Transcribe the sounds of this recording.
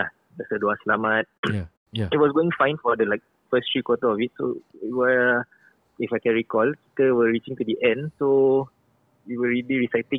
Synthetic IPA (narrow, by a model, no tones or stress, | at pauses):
ja | dɛsədoasəlamat̚ | it̚wɔsɡoɪ̃ŋfãɪ̃nfɔdəlaɪk̚ | fəstɹikwɔtəɔfit̚so̰it̚wə | ifaɪkɛ̃nɹikɔlki̥təwəɹit͡ʃĩŋtudiʔɛ̃ndso | iwəɹiliɹisaɪtĩŋ